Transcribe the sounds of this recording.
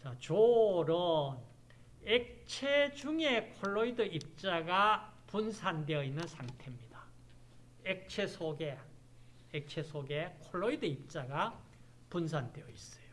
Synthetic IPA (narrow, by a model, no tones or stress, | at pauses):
t͡ɕat͡ɕoɾʌn | ek̚t͡ɕʰed͡ʑuŋe̞kʰoɭːoidɯip̚t͡ɕ͈aɡapunsʰandeʌinːɯnsʰaŋtʰe̞mɲida | ek̚t͡ɕʰesʰoɡe̞ | ek̚t͡ɕʰesʰoɡekʰoɭːoidɯip̚t͡ɕ͈aɡa | puns̬ʰande̞ʌis͈ʌ̥jo